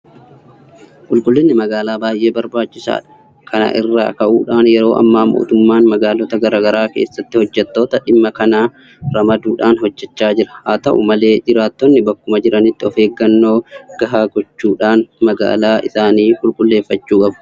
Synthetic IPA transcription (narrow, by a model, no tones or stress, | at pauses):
kʼʊlkʼʊlːɪnːɪmɐɡaːlaːbaːjʔe̞ːbɐɾbaːt͡ʃːɪsa̰ːᶑɐ̥ | kʰɐnɐ̰ʔɪrːa̰ːkɐʔuːᶑaːnjɛɾo̞ːʔɐ̰mːaːmo̰ːt̪ʊmːaːnmɐɡaːlɔt̪ɐɡɐɾaːɡɐɾaːkeːsːɐt̪ːɪhɔd͡ʒːɛt̪ːo̞ːt̪ɐᶑɪmːɐkɐnaː | ɾɐmɐd̪uːᶑaːnɦɔd͡ʒːɛt͡ʃːaːd͡ʒɪɾɐ̥haːt̪ɐʔʊ̰mɐle̞ːd͡ʒɪɾaːt̪ːɔnːɪbɐkːʊmɐd͡ʒɪɾɐnɪt̪ːɪɔfe̞ːɡːɐnːo̞ːɡ̥ɐɦaːɡɔt͡ʃːuːᶑaːnmɐɡa̰ːlaːʔɪsaːniːkʼʊlkʼʊlːe̞ːfːɐt͡ʃːuːkʼɐbʊ̥